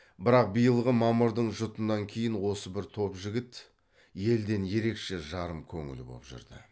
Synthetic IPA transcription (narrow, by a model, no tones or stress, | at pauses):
bɪɾɑq̚bijəlˠʁəmɑmʊɾd̪əɴʒʊt̪ənːɑŋkʲʰe̞jɪnwo̞səbɪɾt̪ʰo̞pʒɪɡʲɪt̪ | je̞ld̪e̞nje̞ɾe̞kʃe̞ʒɑɾəmkʲʰɵ̰ŋɪ̰lbo̰pʒʏ̰ɾd̪ɪ̰